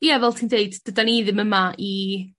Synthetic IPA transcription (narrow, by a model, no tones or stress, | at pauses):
javɛlˠtʰiːndeɨdd̥ədaniːðɪməmaʔi